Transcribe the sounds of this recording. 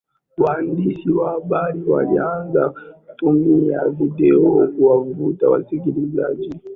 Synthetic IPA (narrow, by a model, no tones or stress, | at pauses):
waːndisiwahaɓaɾiwa̰lianzatumiijavidɛɔkuwavutawa̰sikilizad͡ʒi